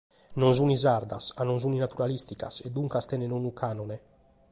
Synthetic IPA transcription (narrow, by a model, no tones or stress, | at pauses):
nɔnzunizaɾd̪a̰sanonzuninat̪uɾalist̪ika̰sed̪ːuŋkast̪ɛnenonukʰaːnone